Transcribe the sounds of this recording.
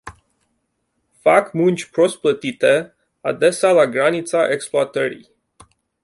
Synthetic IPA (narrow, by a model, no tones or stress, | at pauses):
fakmunt͡ʃʲpɾo̞s̚plət̪it̪e̞ | a̰d̪e̞salaɡɾanit̪saʔekspluat̪əɾḭj